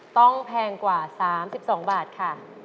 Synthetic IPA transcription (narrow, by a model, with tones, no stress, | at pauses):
t̪ɔ˥˩ŋpʰɛː˧ŋkwaː˨˩saː˩˦msi˨˩p̚sɔː˩˦ŋbaː˨˩t̪̚kʰa˥˩